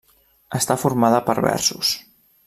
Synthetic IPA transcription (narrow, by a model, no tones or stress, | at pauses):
əst̪afuɾmaðəpəɾβɛ̰ɾsus